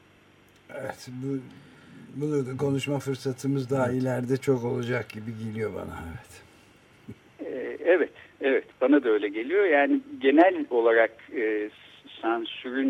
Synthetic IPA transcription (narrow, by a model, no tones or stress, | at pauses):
evɛt̪bu | bunuɾd̪ako̞nuʃmafɯɾsat̪ʰɯmɯzd̪aːilʲæɾd̪ɛt͡ʃʰo̞ko̞lˠud͡ʒak̚ɟibiɟelʲijo̞ba̰na̰evɛt̪ | ɛvɛt̪evɛt̪b̥anad̪aø̞jlʲɛɟe̞lʲijo̞jaːniɟe̞nælʲo̞lˠaɾakɯː | sænsyɾyn